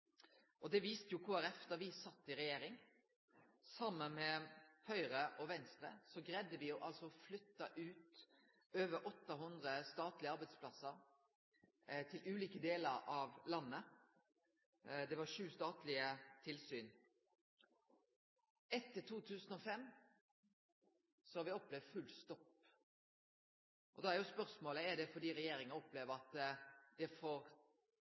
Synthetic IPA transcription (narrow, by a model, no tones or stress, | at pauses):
ʔɔd̪ɛʋiːst̪əjʊkʰoːæɾɛft̪əʋɪsɑt̪ːɪɾɛjeːɾɪŋ | sɑmːənmɛhœʏɾəʔɔʋɛnst̪ɾə̰sɔɡɾɛd̪ːəʋɪjʊʔɑlsɔflʏt̪ːɑʔʉːt̪ | øːʋəɾʔɔt̪ːɑɦʉnd̪ʁəst̪ɑːt̪lɪəɑɾbæɪd̪spʰlɑsːəɾ | t̪ʰɪlʉːliːkəd̪eːləɾɑʋlɑnːə | d̪ɛʋɑʂʉːst̪ɑːt̪lɪət̪ʰɪlsyːn | ʔɛt̪ːəʈʰuːt̪ʰʉːsənɔfɛmː | sɔhɑɾʋɪɔplɛʋfʉlst̪ɔp | ʔɔd̪ɑːæɾjʊspœʁsmoːləɛd̪ɛfɔd̪iːɾɛjeːɾɪŋənɔpleːʋəɾɑt̪d̪̥ɛfɔɾ